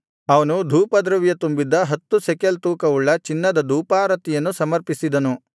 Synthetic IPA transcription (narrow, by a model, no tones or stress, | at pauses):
ɐʋɐnud̪ʱuːpɐd̪ɾɐʋjɐt̪umbid̪ːɐɦɐt̪ːusɛkelt̪uːkɐuɭːɐt͡ʃinːɐd̪ɐd̪ʱuːpaːɾɐt̪ijɐnːusɐmɐɾpisid̪ɐnu